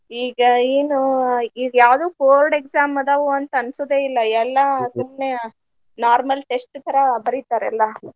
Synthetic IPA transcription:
iːɡɐeːnuiːɡɐjaːʋd̪uːpoːɾɖeksaːmɐd̪ɐʋuɐnt̪ɐɐnsod̪eːilːɐɛlːɐsumne | naːɾmɐlʈesʈt̪ʰɐɾɐbɐɾit̪ːaːɾɛlːɐ

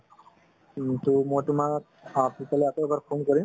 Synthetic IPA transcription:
tumojtʊmak̚ | apipalɛakoɛbaɹpʰonkɔɹim

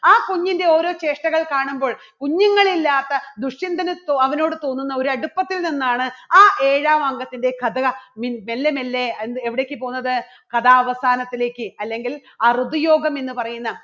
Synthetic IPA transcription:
aːkuɲːinde̞o̞ːɾo̞ːt͡ɕe̞ːʂʈɐɣɐɭkaːɳumbo̞ːɭ | kuɲːuŋːɐɭilːaːt̪ːɐd̪uʂind̪ɐnɨt̪oɐʋɐno̞ːɽɨt̪o̞ːnːunːɐo̞ɾuɐɽupːɐt̪ːilninːaːɳɨaːʔe̞ːɻaːmɐŋɡɐt̪ːinde̞kɐd̪ɐɐmimelːemelːenːeʋiɽeːkːɨpo̞ːɣunːɐðɨ | kɐd̪aːɐʋɐsaːnɐt̪ːile̞ːkːɨɐlːe̞ŋɡilarud̪ujo̞ːɡɐme̞nːɨpɐrɐjunːɐ

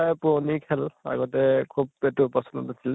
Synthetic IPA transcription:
ajpɔnikʰɛla̰ɡɔtɛkʰub̚etupɔsɔnɔ̰tnasil

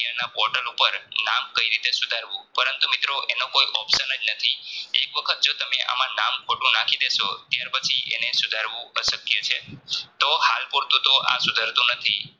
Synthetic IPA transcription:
ənapɔɾʈəlupəɾnamkəiɾit̪esud̪ʱaɾʋũpəɾənt̪umɪt̪ɾoʔenokoiʔɔpʃənəd͡ʒnət̪ʰiḛkʋəkʰət̪̚d͡ʒot̪əmeʔa̰mãnamkʰoʈũnakʰid̪eʃot̪jaɾpət͡ʃʰiʔḛnesud̪ʱaɾʋũəsəkjət͡ʃʰet̪ohalpuɾt̪ũt̪oʔa̰sud̪ʱaɾt̪ũnət̪ʰḭ

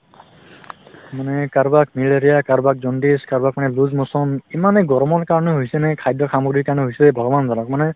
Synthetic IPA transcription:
manɛkaɹbak̚mileɾijakaɹbak̚zɔndiskaɹbak̚manɛluzmɔsɔmimanɛɡɔɹmɔnkaɹɔnɔɦojsɛnɛkʰajdɔkʰamɔɡɾikaɹnɔɦojsɛbʱɔɡɔbanzanɔk̚manɛ

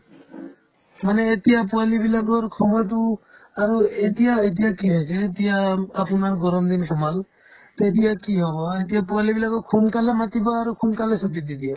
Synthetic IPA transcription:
manɛːtijap̬uwalibilaɡɔɹkʰɔmat̬u | aɹuetijaet̬ijakiɦɔjsɛːtijaapunaɹɡɔɹɔmd̪inkʰɔmal | t̪ɔetijakiɦɔbɔet̬ijapualibilaɡɔkʰunkalɛmatibɔaɹukʰunkalɛsɔtid̪idija

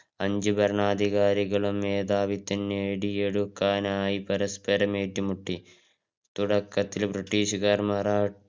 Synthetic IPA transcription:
ɐɲd͡ʒubɐɾɳaːd̪ʱiɣaːɾiɣɐɭumːeːd̪aːʋit̪ːinːeːɽijeɽukːaːnaːjipɐɾɐspɐɾɐmeːʈːimuʈːi | t̪uɽɐkːɐt̪ːilbɾiʈːiːʂɐɡɐɾmɐɾaː

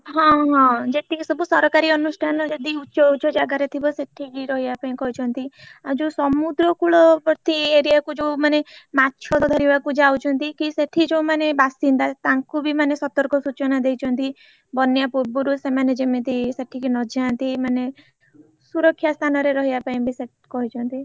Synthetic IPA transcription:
ɦɔ̃ɦɔ̃d͡ʒeʈʰisɔbusɔɾkaɾiɔnusʈʰanɔd͡ʒed̪iut͡ʃɔut͡ʃɔd͡ʒaɡaɾet̪ʰibɔseʈʰikiɾɔɦibapaĩkɔɦit͡ʃʰɔnt̪iad͡ʒusɔmud̪ɾɔkuɭɔpɾt̪ieɾiakud͡ʒewmanematːt͡ʃʰɔd̪ɔd̪ʱɔɾibakud͡ʒawt͡ʃʰɔnt̪ikiseʈʰid͡ʒewmanebasind̪at̪ãŋkubimanesɔt̪ɔɾkɔsut͡ʃɔnad̪ejt͡ʃʰɔnt̪i | bɔnːjapuɾbuɾusemaned͡ʒemet̪iseʈʰikinɔd͡ʒant̪imane | suɾɔkʰjast̪ʰanɔɾeɾɔɦibapaĩbʱise | kɔɦit͡ʃʰɔnt̪i

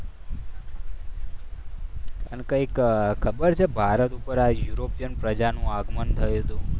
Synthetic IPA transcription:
ənkəikkʰəbəɾt͡ʃʰebʱaɾət̪upəɾajuɾopijənpɾəd͡ʒanũaɡmənt̪ʰəjut̪ũ

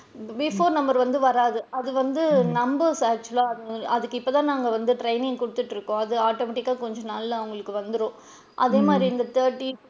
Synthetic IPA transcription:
bɪfoːɾnɐmbɐɾʋɐnd̪ɯʋɐɾaːðɯɐðɯʋɐnd̪ɯnɐmbɐɾsaːk̚t͡ʃʊɐlaːɐðɯɐðɯkːɯɪpːɐːt̪ãːnaːŋɡɐʋɐnd̪ɯʈɾɐɪnɪ̃ŋɡkʊɽɯt̪ːɯʈːɪɾɯkːõːɐðɯaːʈoːmɛʈɪkːaːkɔɲd͡ʒɔ̃naːllɐʋʊŋɡɐɭɯkːɯʋɐnd̪ɯɾõː | ʔɐ̰ðeːmaːd̪ɾiɪnd̪ɐt̪ɐːɾʈːi

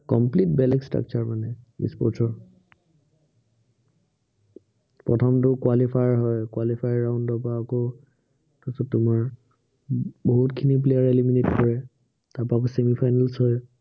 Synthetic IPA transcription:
kɔ̰mplitbɛlɛkstɹa̰k̚t͡ʃaɹmanɛḭspɔtʰɔɹ | pɹɔtʰɔmtʊkwalipʰajɦɔjkwalipʰajɹaʊ̃nddɔpaːko | tɔsɔtʊmaɹ | boɦutkʰinip̬lejaɹeliminetkɔɹɛ | taɹpak̬osemipʰajnalsɦɔj

